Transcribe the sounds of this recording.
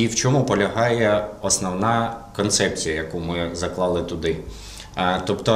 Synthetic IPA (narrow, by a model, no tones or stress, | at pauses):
iwt͡ʃʲɔmupɔlʲɐɦɑjɛɔsnɔwnɑkɔnt̪sɛp̚t͡sʲijɐjɐkumɪzɐklˠɑlˠɪt̪ʊd̪ɪ | t̪ɔpt̪ɔ